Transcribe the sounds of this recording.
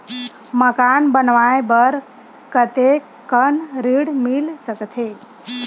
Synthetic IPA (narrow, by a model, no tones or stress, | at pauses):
məkanbənʋajbəɾ | kət̪e | kənɾiɽmilsəkt̪ʰe